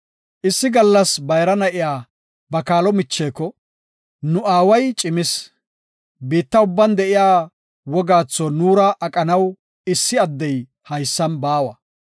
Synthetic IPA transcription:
ʔɪsːɪɡɐlːɐsbɐjɾɐnɐʔɪjaː | bɐkaːlɔmɪt͡ʃːeːkːɔ | nʊaːwɐjt͡ʃʼɪmɪs | biːt̪ːɐʊbːɐnd̪ɛʔɪjaː | wɔɡaːt͡sːɔnuːɾɐʔɐkʼɐnɐw | ɪsːɪɐd̪ːɛj | hɐjsːɐnbaːwɐ

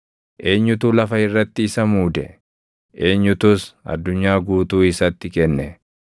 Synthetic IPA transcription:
ʔe̞ːɲːʊt̪uːlɐfɐɪrːɐt̪ːɪɪsɐmuːd̪ɛ̰ | ʔe̞ːɲːʊt̪ʊsɐ̰d̪ːʊɲːaːɡuːt̪uːɪsɐt̪ːɪkɛnːɛ

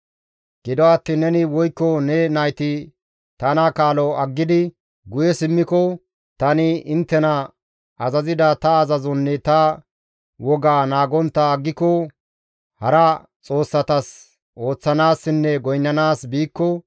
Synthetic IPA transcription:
ɡ̥ɪd̪ɔat̪ːiːnːɛnɪwɔjkːɔnɛnɐjt̪ɪ | t̪ɐnakaːlɔɐɡːɪd̪ɪ | ɡʊjɛsɪmːɪkɔ | t̪ɐnɪɪnt̪ːɛnɐ | ɐzɐzɪd̪ɐt̪ɐːzɐzɔnːɛt̪ɐ | wɔɡaːnaːɡɔnt̪ːɐːɡːɪkɔ | hɐɾɐ | t͡sʼo̞ːsːɐt̪ɐs | ʔo̞ːt͡sːɐnaːsːɪnːɛɡɔjnːɐnaːsbiːkːɔ

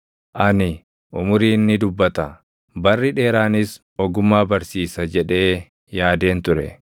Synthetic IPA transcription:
ʔɐnɪ | ʔʊmʊɾiːnːɪd̪ʊbːɐt̪ɐ | bɐrːɪᶑe̞ːɾaːnɪs | ɔɡʊmːaːbɐɾsiːsɐd͡ʒɛᶑe̞ː | jaːd̪e̞ːnt̪ʊɾɛ̰

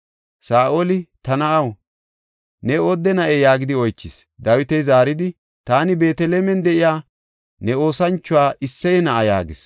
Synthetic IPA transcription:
saːʔolɪt̪ɐnɐʔɐw | nɛod̪ːɛnɐʔejaːɡɪd̪ɪɔjt͡ʃːɪs | d̪ɐwɪt̪ɛjzaːɾɪd̪ɪ | t̪aːnɪbe̞ːt̪ɛleːmɛnd̪ɛʔɪjaː | nɛo̞ːsɐnt͡ʃːʊwaːʔɪsːɐjɛnɐʔɐja̰ːɡɪs

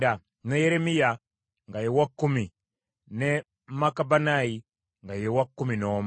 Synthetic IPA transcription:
da | nejeɾemija | ŋɡajewakːumi | ne | makabanaji | ŋɡajewakːuminoːm

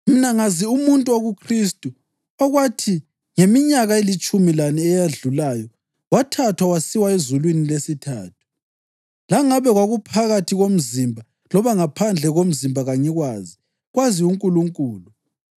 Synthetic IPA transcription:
minaŋaziumuntʼuoɣukʰristʼu | ɔɣwatʰi | ŋemiɲaɣaelit͡ʃʼumilaniɛjaɮulaːjɔ | watʰatʰwawasiwaezulwinilesitʰa̰ːt̚ʰu̥ | laŋaβɛɣwaɣupʰaɣatʰiɣom̩zimbʱa | lɔβaŋapʰand͡ɮʱɛɣom̩zimbʱaɣaɲɛɣwaːzi | ɣwaziuŋkʼuluŋkʼuːlu

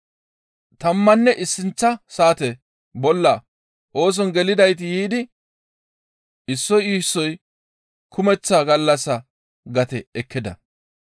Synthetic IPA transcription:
t̪ɐmːɐnːɛʔɪsːɪnt͡sːɐsaːt̪ɛ | bɔlːɐ | ʔo̞ːs̬ɔnɡɛlɪd̪ɐjt̪̬ɪjiːd̪ɪ | ʔɪsːɔjiːsːɔj | kʰʊmɛt͡sːaːɡɐlːɐsːɐ | ɡɐt̪ɛɛkːɪd̪ɐ̰

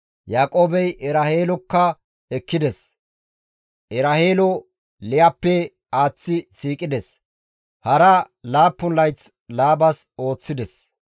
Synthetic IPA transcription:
jaːkʼo̞ːbɛjʔɛɾaheːlɔkːɐ | ɛkːɪd̪ɛs | ʔɛɾaheːlɔ | lɪjɐpːɛ | aːt͡sːɪsiːkʼɪd̪ɛs | hɐɾɐ | laːpːʊnlɐjt͡s | laːbɐso̞ːt͡sːɪd̪ɛs

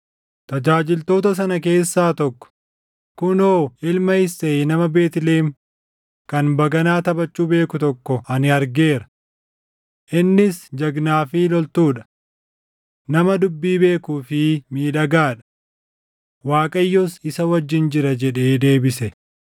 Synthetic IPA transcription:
t̪ɐd͡ʒaːd͡ʒɪlt̪o̞ːt̪ɐs̬ɐnɐk̬e̞ːsːaːt̪ɔkːɔ̥ | kʊnoːɪlmɐɪsːeːnɐmɐbe̞ːt̪ɪleːm | kɐnbɐɡɐnaːt̪ɐbɐt͡ʃʼːuːbe̞ːkʊt̪ɔkːɔɐnɪɐɾɡe̞ːɾɐ̥ | ʔɪnːɪsd͡ʒɐɡnaːfɪlɔlt̪uːᶑɐ̥ | nɐmɐd̪ʊbːiːbe̞ːkuːfɪmiːᶑɐɡaːᶑɐ̥ | waːkʼɐjːɔsɪsɐwɐd͡ʒːɪnd͡ʒɪɾɐd͡ʒɛᶑe̞ːd̪e̞ːbɪsɛ

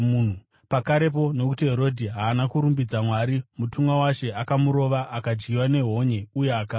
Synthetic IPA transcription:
n̤u | pakaɾe̞p̬o̞no̞kutiɦe̞ɾo̞dʱiɦaːnakuɾumbid͡zamwaɾimutumɡawaʃe̞akamuɾo̞ʋaʔakad͡ʒɡiwane̞ɦo̞ɲe̞ujeaka

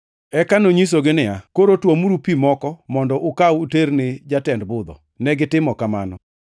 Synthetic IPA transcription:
ɛkanoɲis̬oɡɪnɪakoɾotwomuɾupimɔkɔmɔndɔʔʊkawuternɪd͡ʒatɛndbʊd̪ɔ̰ | nɛɡɪtɪmɔkama̰nɔ

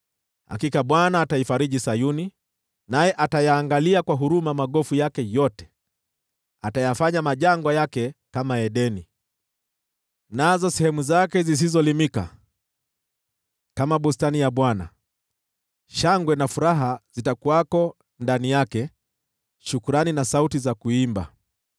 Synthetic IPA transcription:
ha̰kikaɓwanaːtaifaɾiʄisajuni | najɛʔatajaːŋɡaliakwaɦuɾumamaɠɔfujakɛjɔtɛ̥ | atajafaɲamaʄaŋɡwajakɛkamaɛɗɛni | nazɔsɛhɛmuzakɛzis̬izɔlimika̰ | kamaɓustanijaɓwana̰ | ʃaŋɡwɛnafuɾaɦaz̥itakuakɔ | ndanijakɛ | ʃukuɾaninasautizakuimba̰

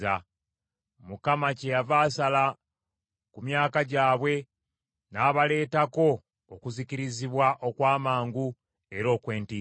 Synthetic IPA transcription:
a | mukamacejavaːsala | kumjaːkaɟaːβwe̞ | naːβale̞ːtako̞ː | kuziciɾiziβwaʔo̞kwaːmaːŋɡu | e̞ɾo̞ːkwe̞ːnti

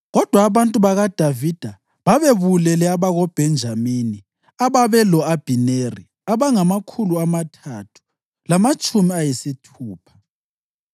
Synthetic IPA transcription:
ɣɔd̥ʱwaːβantʼuβaɣad̥ʱavid̥ʱa | βaβeβulɛlɛaβaɣɔb̥ʱɛnd͡ʒʱamini | aβaβɛlɔab̥ʱineri | aβaŋamakʰuluamatʰatʰu̥ | lamat͡ʃʼumiajisitʰuːpʰḁ

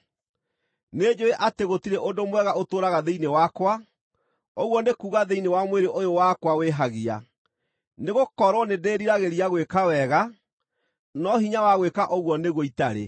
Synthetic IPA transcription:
ned͡ʑoeʔateɣotiɾeʔodomwɛɣaotoːɾaɣaðeinewakwa | oɣwɔnekuːɣaðeinewamweɾeʔojowakwaweɦaɣia̰ | neɣokɔɾwɔnedeːɾiɾaɣeɾiaɣwekawɛɣa | nɔɦiɲawaɣwekaʔoɣwɔneɣoitaɾḛ

